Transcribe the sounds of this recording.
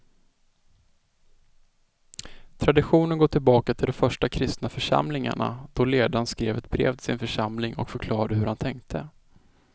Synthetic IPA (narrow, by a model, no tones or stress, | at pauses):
t̪ʰɾad̪ɪɧuːnənɡoːt̪ʰɪlbɑːkat̪ʰɪld̪ɔmfœʂʈakʰɾɪst̪nafœʂa̰mlɪŋa̰ɳa̰d̪̥ɔleːd̪anskɾeːvɛt̪̚bɾḛːvt̪ʰɪsɪnfœʂamlɪŋɔ̰kfœɾkʰlɑːɾad̪əhɵɾhant̪ʰɛŋkt̪ʰə